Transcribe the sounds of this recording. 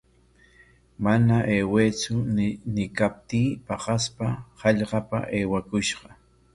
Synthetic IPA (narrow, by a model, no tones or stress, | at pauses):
manaʔeːweːt͡sʊnɪkap̚t̪iːpɑɢɑspahɑʎɢɑpa̰ʔeːwakʊʃɢɑ